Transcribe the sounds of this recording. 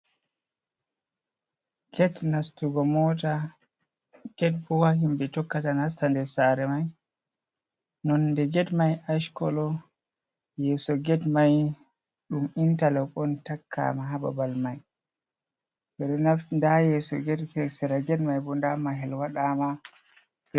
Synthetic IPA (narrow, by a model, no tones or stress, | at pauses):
kɛtnastuɡɔmɔta | ɡ̥ɛd̚bɔwahimbɛtɔkːatanastandɛsaɾɛmaj | nɔnːdɛɡɛdmajaʃkɔ̰lɔ | jɛsɔɡɛdmaj | ɗumintalɛɓɔntakʰːa̰maɦaba̰balmaj | bɛɗɔnafndajɛsɔ̰ɡɛdkɛsɛɾaɡɛdmajbɔndamaɦɛlwaɗama